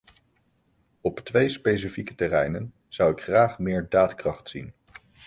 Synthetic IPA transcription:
ɔptʋejspejs̬ifikə̥tɛrɛjnən | z̥ʌwɪkχraːχmɪːɹdaːtkrɑχtsin

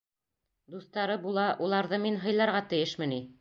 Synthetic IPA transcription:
d̪uθt̪ɑɾɤbulˠɑʔulˠɑɾðɤminɦɤ̆jlˠɑɾʁɑt̪ɘ̆jɘʃmɘ̆ni

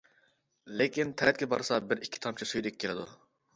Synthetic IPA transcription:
lekʲint̪ʰɛɾɛt̪̚ɡʲɛbɑ̰ɾsɑbɪɾikʲʰːi̥t̪ʰɑmt͡ʃʰisujd̪ɪkʲʰːelɪd̪u

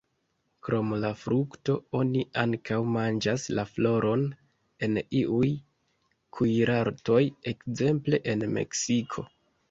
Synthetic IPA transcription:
kɾo̞mlafɾukto̞o̞niaŋkawmand͡ʒaslaflo̞ɾo̞n | e̞niʔuj | kʰujɾʔaɾto̞je̞kze̞mple̞ʔe̞nme̞̰ksikʰo̞

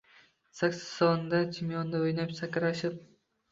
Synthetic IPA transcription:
sakʲsɪ̥sɒnd̪at͡ʃʰɪmjɒnːɪojnapsakʲɾaʃɪp̚

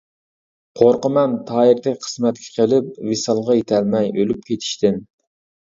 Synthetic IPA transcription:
qʰoɾqəmɛnt̪ʰɑːiɾd̪ɛkʲqʰə̥smɛt̪̚kʲʰɛ̥qʰəlˠɪp̚vesɑlˠʁɑjet̪ʰɛlmɛjølyp̚kʲʰet̪ʰi̥ʃt̪ɪn

